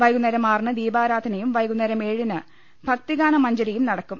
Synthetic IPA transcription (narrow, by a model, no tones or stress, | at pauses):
ʋɐjɣunːɐɾɐmaːrɳɨd̪iːbaːɾaːd̪ʰʱɐnɐjumʋɐjɡunːɐɾɐmeːɻinɨ | b̥ʱɐk̚t̪iɣaːnɐmɐɲd͡ʑɐɾɐjumnɐɽɐkːum